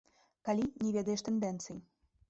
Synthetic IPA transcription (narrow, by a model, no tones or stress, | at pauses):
kalʲinʲɛvʲɛd̪ɐjɛʂt̪ɛnd̪ɛnt̪sɨji